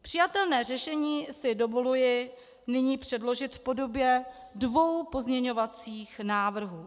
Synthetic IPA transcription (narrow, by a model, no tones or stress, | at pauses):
pr̥ɪjat̪ɛlnɛːrɛʃɛɲiːsɪdovo̞lujɪ | nɪɲiːpr̝̥ɛdlo̞ʒɪt̪fpo̞do̞bjɛ | dvo̞wpo̞zmɲɛɲo̞vat͡siːxnaːvr̩ɦuː